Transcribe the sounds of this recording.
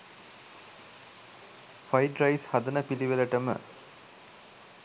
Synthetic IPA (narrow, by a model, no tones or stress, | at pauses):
fajʈɾajshad̪ənəpiliʋeləʈəmə̰